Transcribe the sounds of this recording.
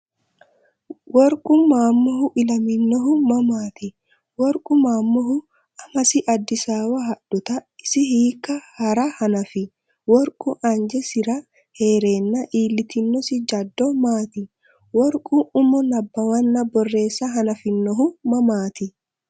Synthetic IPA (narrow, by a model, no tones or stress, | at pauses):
wɔɾkʼʊmaːmːɔhʊʔɪlɐmɪnːɔɦʊmɐmaːt̪ɪ | wɔɾkʼʊmaːmːɔɦʊ | ɐmɐsɪʔɐd̪ːɪsaːwɐɦɐᶑʊt̪ɐɪsɪhiːkːɐhɐɾɐhɐnɐfɪ | wɔɾkʼʊʔɐnd͡ʒɛsɪɾɐ | heːɾeːnːɐʔiːlːɪt̪ɪnːɔsɪd͡ʒɐd̪ːɔmaːt̪ɪ | wɔɾkʼuʊmɔnɐbːɐwɐnːɐbɔrːe̞ːsːɐɦɐnɐfɪnːɔɦʊmɐmaːt̪ɪ